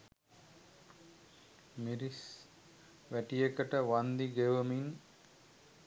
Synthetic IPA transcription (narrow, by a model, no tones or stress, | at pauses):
miɾis | ʋæʈijekəʈəʋand̪iɡeʋəmin